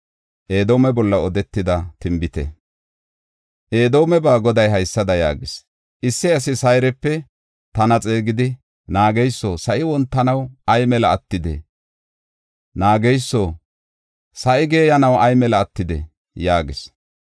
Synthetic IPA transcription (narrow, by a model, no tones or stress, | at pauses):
ʔe̞ːd̪o̞ːmɛbɔlːɐɔd̪ɛt̪ːɪd̪ɐt̪ɪmbɪt̪ɛ̰ | ʔe̞ːd̪o̞ːmɛbaːɡɔd̪ɐjɦɐjsːɐd̪ɐja̰ːɡɪs | ʔɪsːɪɐs̬ɪsɐjɾɛpːɛ | t̪ɐnɐt͡sʼe̞ːɡɪd̪ɪ | naːɡɛjsːoːsɐʔɪwɔnt̪ːɐnɐwɐjmɛlɐːt̪ːɪd̪ɛ̰ | naːɡɛjsːoː | sɐʔɪɡe̞ːjɐnɐwʔɐjmɛlɐːt̪ːɪd̪ɛ̰ | jaːɡɪs